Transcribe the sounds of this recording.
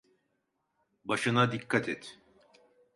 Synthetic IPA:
baʃɯnad̪ikʰːat̪ʰɛt̪

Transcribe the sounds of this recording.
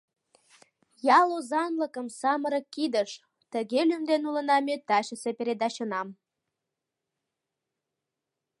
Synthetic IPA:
jɑlozɑnləkəmsɑməɾəkːid̪əʃ | t̪əɣelymd̪enulənɑmet̪ɑɕəsepeɾed̪ɑɕənɑm

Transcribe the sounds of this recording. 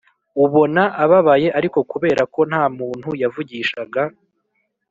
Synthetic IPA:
uβo̞naʔaβaβaje̞ʔaɾiko̞kuβe̞ːɾʔako̞n̥haːmuːn̥hujavuɟiːʃaɡa

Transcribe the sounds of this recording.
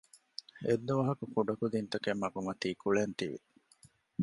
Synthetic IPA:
ed̪ːuʋɐɦɐkukuɖɐkud̪int̪ɐkemːɐɡumɐt̪iːkuɭent̪iʋḭ

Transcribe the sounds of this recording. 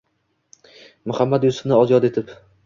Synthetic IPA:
mʊhamːad̪jʊsʊ̥fnɪɒzjɒd̪e̞t̪ʰɪp

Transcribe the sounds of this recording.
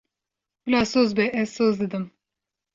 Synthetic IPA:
bɨlɑːsoːzbɛɛz̥soːzd̪ɨd̪ɨm

